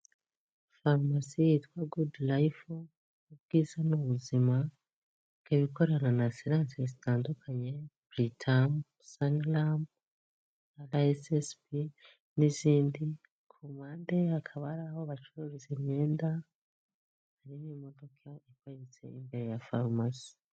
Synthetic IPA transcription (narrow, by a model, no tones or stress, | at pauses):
faɾmasijitwaɡudlajifo | ubɡ̥iːzanuβuzima | ikaβiko̞ɾananasiɾansezitaːndukʰaɲe̞bɾitʰam | saŋlam | alaesespi | niziːndi | kʰomaːnde̞akʰaβaɾahoβat͡ʃoɾuɾizimɲe̞ːnda | haɾimimo̞do̞kʰaikait͡se̞̰imbe̞ɾe̞jafaɾmasi̥